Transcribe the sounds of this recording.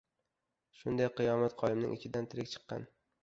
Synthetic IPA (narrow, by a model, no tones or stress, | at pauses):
ʃʊnd̪ajqʰɨjɒmat̪qʰɒjɪmnɪ̰ŋʔɪt͡ʃʲʰɪd̪ant̪ʰɪɾɪkʲt͡ʃʰɨ̥qːɑ̰n